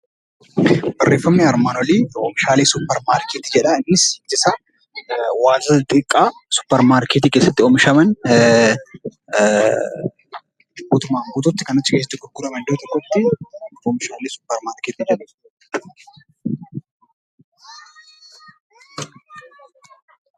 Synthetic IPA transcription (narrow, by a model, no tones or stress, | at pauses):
bɐrːʔeːfːɐmnɪɐɾmaːnɔliːomɪʃaːleːsʊpːɐɾmaːɾkeːt̪id͡ʒɛᶑɐɪnːɪsɪt̪ɪsɐ | waːzɐt̪ʼɪkʼːaːsʊ̥pːɐɾmaːɾket̪iːkeːsːɐt̪ːɪɔmɪʃɐmɐn | buːt̪ʊmaːɡuːt̪ʊt̪ːɪ̥kɐnɐt͡ʃːɪkesɐt̪ːɪɡʊɾɡʊɾɐmɐnd̪oːt̪ɔkːɔt̪ːɪoːmɪʃaːleːsʊ̥pːɐɾmaːɾkeːt̪id͡ʒɛᶑɐ